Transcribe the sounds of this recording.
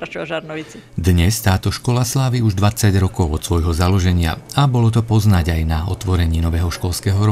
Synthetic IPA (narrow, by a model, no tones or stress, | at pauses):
d̪ɲɛst̪aːt̪ɔʃkɔlaslaːʋiuʒd̪ʋat͡saɟɾɔkɔʊɔt̪sʋɔjɦɔzalɔʒɛɲɪa̰abɔlɔt̪ɔpɔznaɟajnaɔt̪ʋɔɾɛɲiːnɔʋɛːɦɔʃkɔlskɛːɦɔɾɔ